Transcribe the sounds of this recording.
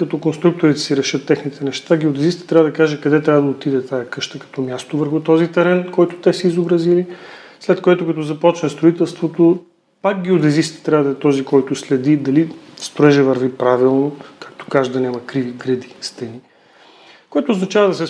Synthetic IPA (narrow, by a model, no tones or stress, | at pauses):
kɐt̪ɔkonst̪ɾuk̚t̪oɾit̪ɛ̥siɾɛʃɤt̪ːɛxnit̪ɛnɛʃt̪aɡiod̪ɛzist̪t̪ɾʲavəd̪ɐkaʒɛkɐd̪ɛt̪ɾʲavəd̪ɐot̪id̪ɛt̪ajɐkɤʃt̪əkɐ̥t̪ɔmjast̪ovəɾxut̪ɔzit̪ɛɾɛnkɔjt̪ʊ̥t̪ɛsɛizobɾɐzilislɛt̪koɛt̪ʊkɐt̪ɔzɐpɔt͡ʃnɐst̪ɾoit̪ɛlˠst̪vot̪o | pak̚ɡɛod̪ɛzist̪t̪ɾʲavəd̪ɐɛt̪ɔzikɔjt̪ʊslɛd̪id̪ɐlist̪ɾʊɛʒɛvɐɾvipɾavilˠnokak̚t̪o̥kaʒd̪ɐnʲamɐkɾiviɡɾɛd̪ist̪ɛni | koɛt̪oːznɐt͡ʃavɐd̪ɐsɛ